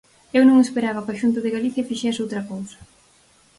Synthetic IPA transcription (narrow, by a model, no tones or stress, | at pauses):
ewnõŋespeɾaβɐkaʃunt̪̬ʊðɪɣaliθjɐfiʃɛsowt̪ɾɐkowsɐ̥